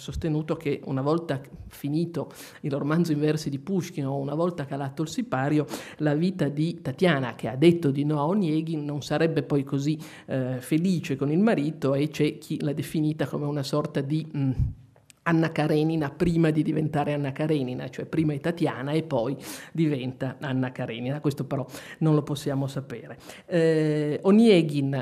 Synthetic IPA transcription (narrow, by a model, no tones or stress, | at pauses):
sost̪enuːt̪okeṵnavɔlt̪afiniːt̪o | ilromand̪zoiɱvɛrsid̪ipuʃkinounavɔlt̪akalat̪ːoilsipaːɾjolaviːt̪ad̪it̪at̪jaːna̰k̟ead̪ːet̪ːod̪inɔaonjɛːɡinonsaɾɛbːepɔjkozi | feliːt͡ʃekonilmaɾiːt̪oet͡ʃɛk̟ʰilad̪efiniːt̪akomeunasɔrt̪ad̪i | anːakaɾɛːninapɾiːmad̪id̪ivent̪aːɾeanːakaɾɛːnina̰t͡ʃoɛpːɾiːmad̪it̪at̪jaːnaepːɔjd̪ivɛnt̪aanːakaɾɛ̰ːninakwest̪opeɾɔnonloposːjaːmosapeːɾe | onjɛːɡin